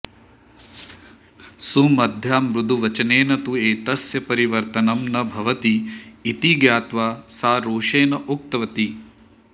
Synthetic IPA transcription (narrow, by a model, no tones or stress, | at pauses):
sumɐd̪ʱjaːmɾud̪ʱuʋɐt͡ʃɐneːnɐt̪ueːt̪ɐsjɐpɐɾiʋɐɾt̪ɐnɐmnɐbʱɐʋɐt̪iːt̪iɡjaːt̪ʋaːsaːɾuːʂeːnɐʔuk̚t̪ɐʋɐt̪i